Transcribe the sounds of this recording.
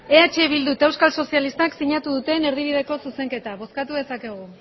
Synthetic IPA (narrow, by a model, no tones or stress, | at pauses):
e̞at͡ʃeβild̪ut̪e̞wskalso̞sialist̪aksiɲat̪uðut̪e̞ne̞ɾðiβ̞iðe̞ko̞suse̞ŋke̞t̪aβ̞o̞skat̪uðe̞sake̞ɣ̞u